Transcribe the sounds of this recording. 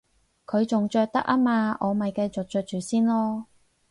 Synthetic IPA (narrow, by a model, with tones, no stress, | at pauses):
kʰɵ˨˧ɥt͡sʊ˨ŋt͡ʃœː˧k̚t̪ɐ˥k̚ʔɐ˥maː˧ʔɔː˨˧mɐ˨jkɐ˧jt͡so˨k̚t͡ʃœː˧k̚t͡ʃyː˨˩siː˥nlɔː˥